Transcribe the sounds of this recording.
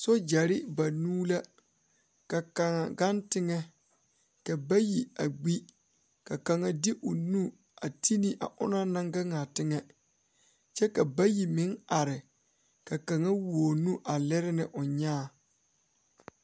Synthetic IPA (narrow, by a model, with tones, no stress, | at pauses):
so˦d͡ʒa˨ɾɪ˦ba˨nuː˦la˦ | ka˨ka˨ŋa˨ɡa˦ntɪ˦ŋɛ˦ | ka˨ba˦ji˨a˨ɡ͡bi˦ | ka˨ka˨ŋa˨dɪ˦ʔʊ˨nu˦ | a˨ti˦ni˦ʔa̰˨ʔʊ̰˦na˦na˦ŋɡa˦ŋa˨tɪ˦ŋɛ˦ | t͡ʃɛ˦ka˨ba˦ji˨mɪ˦ŋa˨ɾɪ˨ | ka˨ka˨ŋa˦woː˨nu˦ʔa˨lɛ˦ɾɪ˦nɪ˨ʔʊ˨ɲaː˦˨